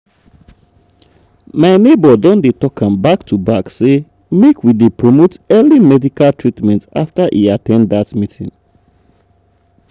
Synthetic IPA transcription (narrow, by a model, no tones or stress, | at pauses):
maɪnebɔdɔ̃ndetɔkʰãmbak̚tʰubakse | mekʰwidepɹɔmotɛlimɛdikalˠtʰɹitmɛ̃nta̰ftaʔiatɛ̃ndðatmitʰḭ̃ŋ